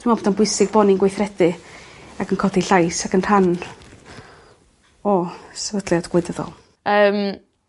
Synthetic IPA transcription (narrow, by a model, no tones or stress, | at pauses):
ɪmaboːdanbʊɨsɪɡ̚bɔninɡwejθrɛdɨaɡənkʰɔdiɬajsakənr̥an | ɔsəvədlˠjadɡ̥wɨdəðɔ̰lˠ | əːm